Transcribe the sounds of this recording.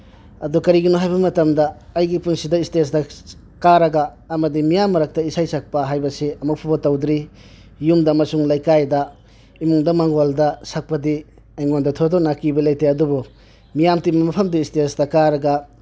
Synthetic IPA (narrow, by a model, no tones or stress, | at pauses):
ɐdukɐɾiɡinoɦajbɐmɐtɐmdɐːjɡipuŋsidɐistesdɐ | kaɾɐɡaː | mɐdimijamːɐɾɐk̚tɐisajsak̚pɐɦajbɐseʔɐmɐk̚pʰabɐtɐwdɾi | jumdɐmɐsuŋlajkajdɐ | imuŋdɐmaŋɡoldɐsak̚pɐdi | ajŋondɐtʰodɔnakibɐlejteɐdubu | mijamtimɐmɐpʰɐmdiistesdɐkaɾɐɡɐ